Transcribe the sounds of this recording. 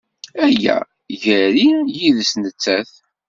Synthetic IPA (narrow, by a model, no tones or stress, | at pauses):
æjːæ̰ | ʝəɾijiðəsnət͡sːæθ